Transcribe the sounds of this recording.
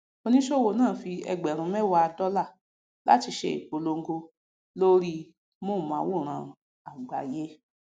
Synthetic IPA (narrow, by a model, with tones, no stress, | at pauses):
o˧nĩ˦ʃo˦˨wo˧˨˦nãː˦˨fi˧ɛ̰˧ɡ͡bɛ˨ɾ̃ũ˨˦mɛ˦wa˧a˧dɔ˦la˦˨ | la̰˦ti˧ʃḛ˧ḭ˨k͡po˨lo˧ŋ̩˦ɡo˧ | lo˦ɾi˦ | mo˦˨mã˨˦wo˦˨ɾ̃ã˧˨ | a˨ɡ͡ba˨je˦